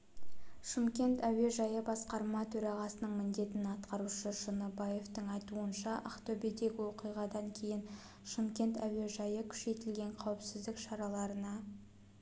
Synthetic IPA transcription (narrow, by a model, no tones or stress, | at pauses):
ʃɪmkʲe̞nt̪æwe̞ʒɑjəbɑsqɑɾmɑt̪ʰɵɾɑʁɑsənəɴmɪnd̪e̞t̪ɪnɑt̪qɑɾuʃəʒənəbɑje̞ft̪əɴɑjt̪uənʃɑʔɑχt̪obed̪e̞ɡʲɪwo̞qijʁɑd̪ɑŋkʲʰe̞jɪn | ʃɪmkʲe̞nt̪æwe̞ʒɑjəkʲʰʏ̥ʃe̞t̪ɪlɡʲe̞ɴqʰɑwɪpsɪzd̪ɪkʃɑɾɑlˠɑɾənɑ